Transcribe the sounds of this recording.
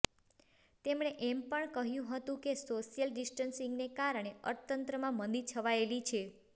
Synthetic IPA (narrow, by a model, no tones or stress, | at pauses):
t̪emɳeʔempəɳkəɦjũɦət̪ũkesoʃijəlɖisʈənsiŋɡnekaɾəɳ̃eə̰ɾt̪ənt̪ɾəmãmənd̪it͡ʃʰəʋaelit͡ʃʰe